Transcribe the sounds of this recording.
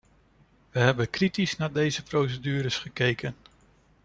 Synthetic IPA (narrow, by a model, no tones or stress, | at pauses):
ʋəɦɛbənkritisnaːdejzəprowsədyːɾəsχəkejkən